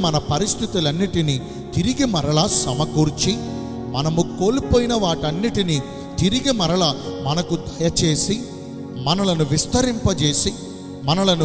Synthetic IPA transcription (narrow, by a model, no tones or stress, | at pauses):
mɐnɐpɐɾist̪ʰit̪ulɐnːiʈini | t̪iɾiɡimɐɾɐɭɐsɐmɐkuːɾt͡ʃi | mɐnɐmuko̞ːlupoːjinɐʋaːʈɐnːiʈini | t̪iɾiɡimɐɾɐɭɐmɐnɐkud̪ʱɐjɐt͡ʃe̞ːsi | mɐnɐlɐnuʋist̪ɐɾimpɐt͡ʃe̞ːsi | mɐnɐlɐnu